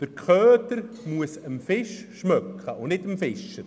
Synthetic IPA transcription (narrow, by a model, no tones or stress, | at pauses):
d̥əɾkχøːtəɾ | muəsəmfɪʃʃmœkχəʊnɪtəmfɪʃə